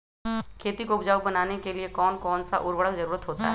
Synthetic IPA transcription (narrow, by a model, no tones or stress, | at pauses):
kʰeːt̪ikoʊpd͡ʒaːwbɐnaːnekeliekɔːnkɔːnsa̰ʔʊɾwəɽəkd͡ʒɐɾuːɾət̪ɦoːt̪a̰ɦɛ